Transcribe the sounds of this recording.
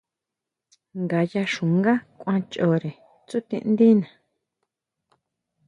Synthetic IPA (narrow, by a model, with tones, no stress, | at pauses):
ŋɡa˨ja˧ʃũ˨ŋɡa˦kʷã˧t͡ʃo˨ɾe˨ | t͡su˦t̪ḭ̃˧ʔnd̪ĩ˦nã˨